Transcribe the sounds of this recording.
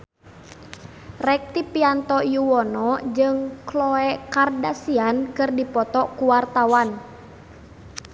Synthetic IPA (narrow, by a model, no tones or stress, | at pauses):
rɛk̚t̪ipiant̪ɔjuwɔnɔd͡ʒɨŋklɔɛkardasiankɨrdipɔt̪ɔkuwart̪awan